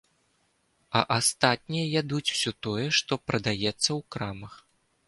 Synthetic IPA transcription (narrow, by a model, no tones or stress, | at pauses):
ɐ̰ʔast̪at̪̚ʲnʲijɐjʲad̪ut͡sʲw̥sʲɔt̪ɔjɛʂt̪ɔpɾɐd̪ajɛt̪sːɐwkɾamɐx